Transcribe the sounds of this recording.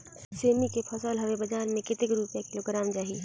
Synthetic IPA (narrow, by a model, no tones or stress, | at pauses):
seːmikepʰəsəlɦɐʋebəd͡ʒaːɾmẽkɪt̪ɪkɾupijakɪloɡɾaːmd͡ʒaːɦi